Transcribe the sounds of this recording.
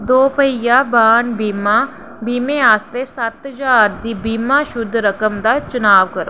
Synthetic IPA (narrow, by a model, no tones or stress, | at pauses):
d̪oːpəɪjaːbaːnbima | biːmẽaːst̪esɐt̪d͡ʒaːɾd̪ibiːmãːʃʊd̪ʱɾəkəmd̪at͡ʃʊnaːʋkəɾo̰ː